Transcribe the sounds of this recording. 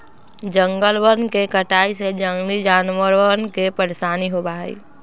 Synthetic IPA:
d͡ʒə̃ŋɡəlwənkekəʈaːised͡ʒəŋɡlid͡ʒaːnwəɾwənkepəɾsaːniɦobaːḭː

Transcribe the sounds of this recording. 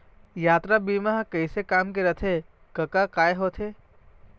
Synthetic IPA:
jaːt̪ɾabiːmaɦkəɪsekaːmkeɾɐt̪ʰe | kɐkakaːeɦoːt̪ʰeː

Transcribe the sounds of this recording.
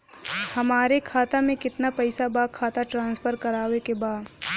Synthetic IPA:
hɐmaːɾekʰaːt̪amẽkɪt̪napɛɪsabaːkʰːaːt̪aʈɾãːnspʰəɾkɐɾaːʋekebaːd̪

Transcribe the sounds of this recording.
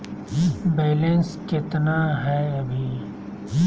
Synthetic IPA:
beːlenskɪt̪naɦɛːɐbʱi

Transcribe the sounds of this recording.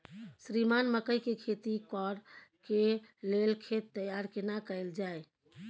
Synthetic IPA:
sɾimanməkəjkekʰet̪ikɔɾkelelkʰet̪ːəjaɾkenakəɪld͡ʒae

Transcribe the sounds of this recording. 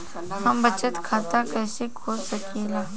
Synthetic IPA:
hɐmbɐt͡ʃət̪kʰaːt̪akɛːsekʰoːsɐkeleː

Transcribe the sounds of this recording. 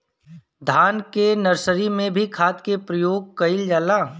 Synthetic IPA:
d̪ʱaːnkenɐɾsəɾimẽbʱikʰaːt̪kepɾəjoːɡ̚kɐɪld͡ʒaːlaː

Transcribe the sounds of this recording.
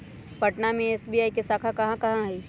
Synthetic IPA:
pɐʈnamẽeːsbiːaːikesaːkʰakɐɦãkɐɦãɦɛː

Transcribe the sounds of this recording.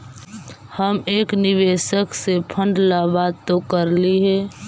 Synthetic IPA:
həmeːkniʋeːʃəksepʰə̃ɳɖlabad̪̚t̪okəɾliɦɛː

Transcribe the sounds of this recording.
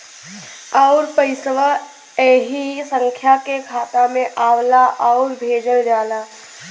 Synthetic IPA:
ɔʊɾpəɪsʋə | ɛːɦisə̃ŋkʰjakekʰaːt̪amẽʔaːwlaʔɔʊɾbʱeːd͡ʒəɽɾaːlaː

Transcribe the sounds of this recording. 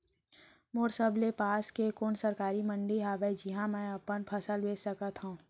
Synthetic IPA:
moːɾsəblepaːskekoːnsəɾkaːɾimə̃ɳɖiɦaːʋed͡ʒɪɦãmɛ̃ɐpənpʰəsəlweːsəkət̪ɦũː

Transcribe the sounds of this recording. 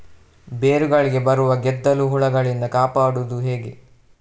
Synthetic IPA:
beːɾuɡɐɭiɡe̞bɐɾuʋɐɡɛd̪ːɐluɦuɭɐɡɐɭind̪ɐkaːpaːɽud̪uɦe̞ːɡḛ

